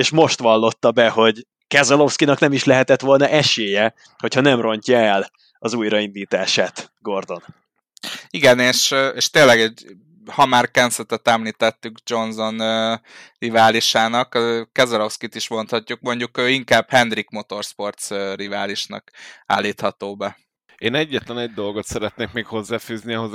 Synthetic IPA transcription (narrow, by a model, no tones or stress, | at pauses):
eːʃmo̞ʃt̪ʋɒlːo̞t̪ːɒbɛho̞ɟ | kɛzɛlo̞fskinɒknɛmiʃlɛɦɛt̪ɛt̪ʋo̞lnɒʔɛʃeːjɛ | hochɒnɛmro̞ɲcɒɛl | ɒzuːjɾɒind̪iːt̪aːʃaːt̪ | ɡo̞rd̪o̞n | iɡɛneːʃeːʃt̪eːnlɛɡɛɟ | hɒmaːrkɛnsɛt̪ɛt̪ɛmliːt̪ɛt̪ːyɡd͡ʒo̞nzo̞n | rivaːliʃaːnɒkkɛzɛlo̞fskit̪iʃmo̞nt̪hɒcːuk̚mo̞ɲɟukøːiŋkaːb̥hɛnd̪rikmo̞t̪o̞rspo̞rt̪srivaːliʃnɒ̰ka̰ːlːiːt̪hɒt̪oːbɛ | eːnɛɟːɛt̪lɛnɛɟ̚d̪o̞lɡo̞t̪sɛɾɛt̪neːkmeːkho̞zːaːfyːzniɒɦoz